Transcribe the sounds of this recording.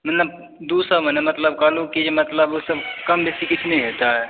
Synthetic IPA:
mənləb | d̪usəbmənemət̪ləb̚kəlukid͡ʒemət̪ləbosəbkəmbesikit͡ʃʰnɛɦot̪aɦɛ

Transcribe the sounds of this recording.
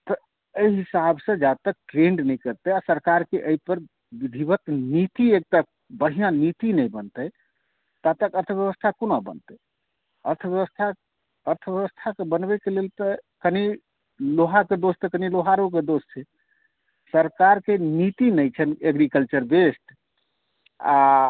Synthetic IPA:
t̪ɔ | əiɦisabsə̃d͡ʒat̪ək̚ʈɾeɳɖnɛjkəɾt̪ɛjasəɾkaɾkeʔəipəɾ | bid̪ʱibət̪nit̪iek̚t̪a | bəɽ̤ijãnit̪inɛjbənt̪əj | t̪at̪əkəɾt̪ʰəbjəβəst̪ʰakonabə̰nt̪ə | əɾt̪ʰəbjəβəst̪ʰa | əɾt̪ʰəbjəβəst̪ʰakebənbɛkelelt̪əkəni | loɦaked̪ost̪əkəniloɦaɾuk̬ed̪ost͡ʃʰɛ | səɾkaɾkenit̪inɛjt͡ʃʰəneɡɾikəlt͡ʃəɾbesʈ | a

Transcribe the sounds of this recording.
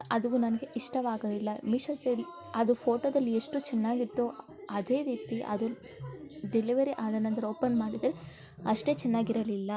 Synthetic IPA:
ɐd̪uʋunɐnɐɡe̞ʔiʂʈɐʋaːɡɐlilːɐmiʂɐt̪ːeɾi | ɐd̪upʰoːʈod̪ɐlːieʂʈut͡ʃɛnːaːɡit̪ːu | ɐd̪e̞ːɾiːt̪iʔɐ̰d̪u | ɖeliʋɐɾiʔaːd̪ɐnɐnt̪ɐɾɐo̞ːpɐnmaːɽid̪ɾe | ɐʂʈe̞ːt͡ʃɛnːaːɡiɾɐlilːɐ

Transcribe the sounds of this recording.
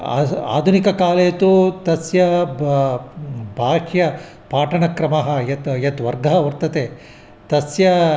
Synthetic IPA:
a̰ːd̪ʱunikɐkaːlejɐt̪ut̪ɐsjɐ | bʱaːʂjɐ | paːʈɐɳɐkɾɐmɐɦɐjɐt̪jɐt̪ʋɐɾɡʱɐɦɐʋɐɾt̪ɐt̪eː | t̪ɐsjɐ

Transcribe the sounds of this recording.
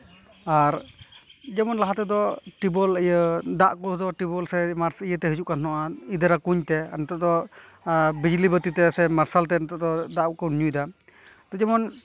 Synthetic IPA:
aɾ | d͡ʒɛmɔnlaɦat̪ɛd̪ɔʈibɔləjəd̪aʔkɔd̪ɔʈibɔlsɛmaɾsijət̪ɛɦəd͡ʒuʔkanɦɔʔaid̪əɾakuɲt̪ɛa̰nɔt̪ɔʔd̪ɔ | bid͡ʒlibət̪it̪ɛsɛmaɾsalt̪ɛnɔt̪ɔʔd̪ɔd̪aʔkɔniɲujd̪a | t̪ɔd͡ʒɛmɔn

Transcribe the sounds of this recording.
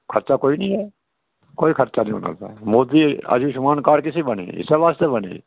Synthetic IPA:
kʰəɾt͡ʃakoːinəĩɦɛː | koːikʰəɾt͡ʃanĩo̰na̰ːt̪a̰ːmoːd̪iə̰d͡ʒiːʃʊmaːnkaːɾkɪsibənḭɪ̰seʋaːst̪ebənḛ

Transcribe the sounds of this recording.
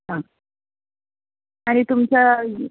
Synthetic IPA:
ɦã | aɽ̃it̪umt͡ɕa

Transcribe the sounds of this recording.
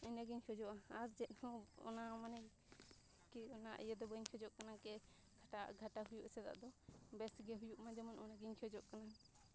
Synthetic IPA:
iɲaɡiɲkʰɔd͡ʒɔʔaaɾd͡ʒɛt̪̚ˀhɔ̃ɔ̰namanaj | kiɔnaʔə̰jɛd̪ɔbəɲkʰɔd͡ʒɔʔkanakɛ | ɡʰʱaʈaɡʱaʈaɦujuʔsɛd̪a̰ʔd̪ɔbɛsɡɛɦujuʔmãd͡ʒɛmɔnɔnaɡiɲt͡ʃʰɔd͡ʒɔʔkana

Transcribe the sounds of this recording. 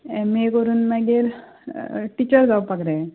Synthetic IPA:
ɛ̃mekəɾuːnmaɡeɾ | ʈit͡ɕəɾd͡zawpakɾɛ̃

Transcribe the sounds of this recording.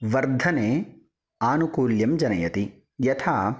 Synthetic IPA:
ʋɐɾd̪ʱɐneː | aːnukuːljɐmd͡ʒɐnɐjɐt̪i | jɐt̪ʰaː

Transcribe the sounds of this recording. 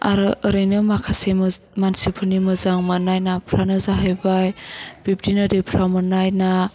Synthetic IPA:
a̰ɾɯʔəɾɯjnɯmakʰasemmansipʰɯnimɯzaŋmɯnajnapʰɾanɯzaɦajbajb̥ip̚tinɯdepʰɾamɯnajna

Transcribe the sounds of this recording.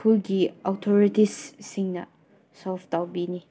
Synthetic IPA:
kʰulɡiɔwtʰoɾitisːiŋnɐ̰ | saftawbini

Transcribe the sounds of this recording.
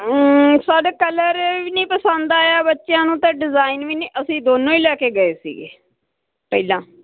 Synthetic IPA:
saːɖkələɾʋiːnĩːpəsə̃nd̪aːjaːbətːʃjãːnũːt̪ãːɖɪzaːinʋiːnĩːʔəsĩːd̪oːnõːiːlɛːkeːɡəeːsḭːɡḛː | pəilãː

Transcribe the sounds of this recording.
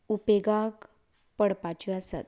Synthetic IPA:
upeɡak | pəɽpat͡ɕiasa̰t̪̚

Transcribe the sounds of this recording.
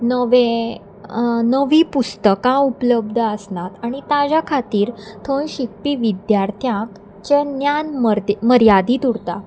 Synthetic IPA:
nəʋe | nəʋiːpust̪əkãupləb̚d̪ʱəəsnat̪aɽ̃it̪ad͡ʑakʰat̪iːɾt̪ʰənɕik̚piːʋid̪jaɾt̪ʰjãk | t͡ɕenjanməɾməɾjad̪iːt̪uɽt̪a

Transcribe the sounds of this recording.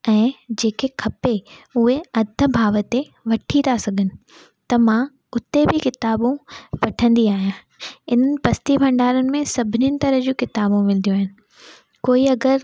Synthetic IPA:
ɛ̃ːd͡ʑeːkekʰɐpeʊɦeɐd̪ʱə̆bʱaːʋət̪e | ʋɐʈʰit̪ʰasɐɡʱənɪ̆ | t̪ɐmã | ʊt̪ebʱɪkɪt̪aːbũʋɐʈʰə̃nd̪iaːɦijãː | ɪn̤ənɪ̆pɐst̪ibʱɐ̃ɳɖaːɾənɪ̆mẽsɐbʱɪninɪ̆t̪ɐɾəd͡ʑuːkɪt̪aːbũmɪld̪ijũaːɦɪnɪ̆ | koːiɐɡəɾ

